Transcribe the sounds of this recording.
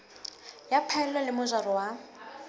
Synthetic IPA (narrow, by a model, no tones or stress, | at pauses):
japʰaɛlwalɪmʊzarɔwa